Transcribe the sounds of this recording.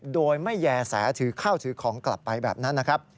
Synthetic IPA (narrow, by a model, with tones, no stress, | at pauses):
doː˧jma˥˩jːɛː˧sɛ̰ː˩˦t̪ʰɯː˨˩˦kʰaː˥˩wt̪ʰɯː˩˦kʰɔː˩˦ŋkla̰˨˩pːa˧jbɛ̰ː˨˩p̚na˦˥nːa˦˥kʰɾa˦˥p̚